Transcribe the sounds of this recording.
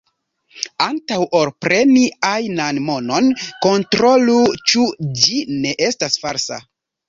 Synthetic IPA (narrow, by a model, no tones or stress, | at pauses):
antawʔo̞ɾpɾe̞niajnanmo̞no̞nko̞ntɾo̞lut͡ʃud͡ʒine̞ʔe̞stasfaɾsa̰